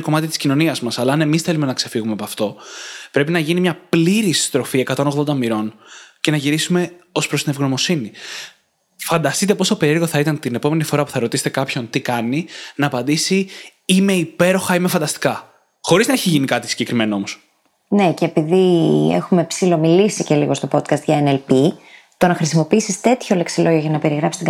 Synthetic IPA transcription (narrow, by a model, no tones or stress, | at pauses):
ko̞mɐt̪it̪i̥scino̞niɐzmɐsɐlɐːne̞misθe̞lume̞nɐkse̞fiɣumepɐft̪o̞pɾe̞pinɐʝinimɲɐpliɾist̪ɾo̞fie̞kɐt̪o̞no̞ɣðo̞nd̪ɐmiɾo̞nce̞nɐʝiɾisume̞o̞spɾost̪inevɣno̞mo̞sini | fɐnd̪ɐst̪it̪e̞po̞st̪ope̞ɾieɾɣo̞θɐit̪ɐnt̪ine̞po̞me̞nifo̞ɾɐpu̥θɐɾo̞t̪ise̥t̪ekɐpço̞nt̪ikɐninɐːpɐnd̪isiime̞ipe̞ɾo̞xɐime̞fɐnd̪ɐst̪i̥kɐ | xo̞ɾiznɐeçiʝinikɐt̪isi̥ɲɟe̞kɾime̞noo̞mo̞s | ne̞ceːpiðiḛxumepsilo̞milisice̞liɣo̞st̪o̞po̞t̪kɐst̪ʝɐenelpi | t̪o̞nɐxɾisimo̞piisist̪e̞t̪ço̞le̞ksilo̞ʝoʝɐnɐpe̞ɾiɣɾɐpfsi̥st̪ɡ